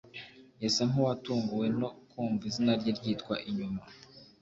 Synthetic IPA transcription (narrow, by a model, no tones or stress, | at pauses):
jasaŋ̥uwatuːŋɡuwe̞no̞kʰuːɱvizinaɾɟiɾɟiːtkwaʔiɲuma